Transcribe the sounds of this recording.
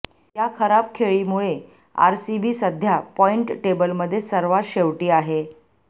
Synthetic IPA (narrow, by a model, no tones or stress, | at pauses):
jakʰəɾab̚kʰeɭiːmuɭe | a̰ɾsibiːsəd̪ʱjapɔiɳʈʈebəlməd̪ʱːjesəɾʋaɾɕeʋʈiːaɦe